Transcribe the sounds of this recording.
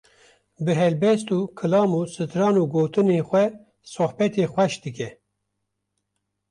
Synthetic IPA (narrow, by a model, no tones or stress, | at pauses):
bɨɦɛlbɛst̪uːkʰɨlɑːmuːsɨt̪ɾɑːnuːɡoːt̪ɨneːxʷɛ | sohbɛt̪eːxʷɛʃd̪ɨkɛ